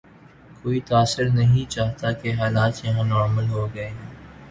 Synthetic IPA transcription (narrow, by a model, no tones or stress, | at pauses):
koːit̪aːsɪɾnɐɦĩt͡ʃaːɦt̪akeɦaːlaːt̪jɐɦãːnɔːɾməlɦoɡɐeɦɛ̃ː